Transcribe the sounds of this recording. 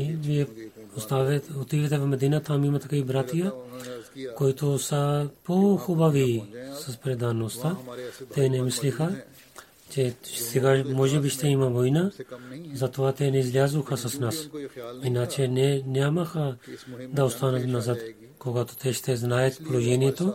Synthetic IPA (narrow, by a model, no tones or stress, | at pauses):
ivijɛost̪avot̪ivɛt̪ɛvomɛd̪inat̪ʰamimat̪akaibɾat̪ija | koit̪osapoxubavisaspɾɛd̪anost̪at̪ɛnɛmislixa | t͡ʃɛsɛɡamɔʒɛbiʃt̪ɛimavɔjnazat̪oat̪ɛnɛizlʲjazuxasasnasinat͡ʃɛnɛnʲamaxad̪aost̪anat̪nazat̪ | koɡat̪o̥t̪ʰɛʃt̪ɛznaɛt̪polˠoʒɛniɛt̪o